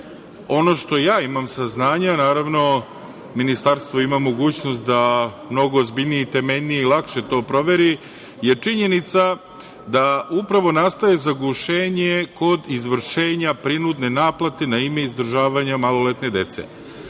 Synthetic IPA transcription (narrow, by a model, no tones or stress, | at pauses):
o̞no̞ʃt̪o̞jaːimamsaznaːɲanaːɾaʋno̞ | minist̪aɾst̪ʋo̞imamo̞ɡuːt͡ɕno̞st̪̚d̪a | mno̞ɡo̞ːzbiʎʲnijeit̪e̞me̞ʎnijeilˠakʃe̞t̪o̞ːpɾo̞ʋe̞ɾi | je̞t͡ʂiɲe̞nit̪sa | d̪aupɾaʋo̞nast̪aje̞zaɡuʃeːɲeko̞d̪izʋr̩ʃeːɲapɾinud̪ne̞naːplˠat̪e̞naime̞izd̪r̩ʒaːʋaɲamalˠo̞let̪ne̞d̪e̞t̪sḛ